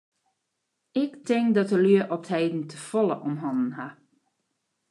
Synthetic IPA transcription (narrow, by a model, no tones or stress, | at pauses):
ɪktʰɪŋkdɔtəlyəʔɔthejdn̩tʰəfɔlˠəʔɔmɦɔnən̩ɦa